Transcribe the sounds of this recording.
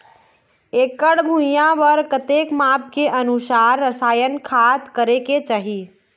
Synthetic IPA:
ekəɽbʱũjãbəɾkət̪ekmap̚keʔənusaɾːəsaːjənkʰat̪kəɾeket͡ʃaɦi

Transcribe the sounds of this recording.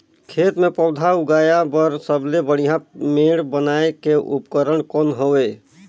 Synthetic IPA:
kʰeːt̪mẽpɔːd̪ʱaʊɡaːjabəɾsəblebəɽ̤ijãmeːɽbənaːekeʔʊ̰pkəɾəɽkɔːnɦoeː

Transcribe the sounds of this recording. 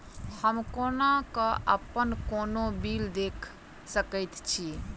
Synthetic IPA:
həmkonakəə̰pənkonobild̪ekʰ | səkəjt̪t͡ʃʰi

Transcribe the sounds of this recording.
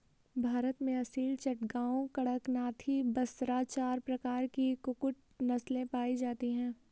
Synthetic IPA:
bʱaːɾət̪mẽɐsiːlt͡ʃɐʈɡaːõkɐɽəknaːt̪ʰibɐsɾaːt͡ʃaːɾpɾɐkaːɾkikʊkʊʈ̚ | nɐslẽpaːid͡ʒaːt̪iɦɛ̃ː

